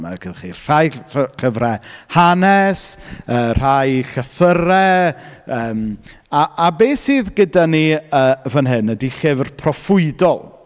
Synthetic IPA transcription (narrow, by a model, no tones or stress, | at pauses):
ma̰kʰəðχḭr̥ajɬχəvɾɛhanɛsər̥ajɬəθəɾɛ | əːm | aʔabeːsiːðɡədaniəːvənɦɨnːədiχɪvrpʰrɔfʊɨdɔlˠ